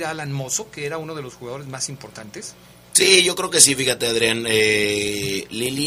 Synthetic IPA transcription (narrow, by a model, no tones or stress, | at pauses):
ɾalanmo̞so̞keeɾauno̞ð̞elo̞sxuɣað̞o̞ɾe̞zmasimpo̞ɾt̪ant̪es | siʝo̞kɾe̞oke̞sifixat̪eaðɾjane | lili